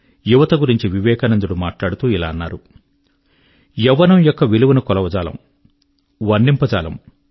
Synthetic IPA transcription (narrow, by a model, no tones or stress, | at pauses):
juʋɐt̪ɐɡuɾiɲt͡ʃiʋiʋɛːkɐnɐnd̪uɽumaːʈlaːɽut̪uːila̰ːɐnːaːɾu | jɛʋːɐnɐmjɔkːɐʋiluʋunukɔlɐʋɐd͡ʒaːlɐ̰m | ʋɐnɖimpɐd͡ʒaːlɐ̰m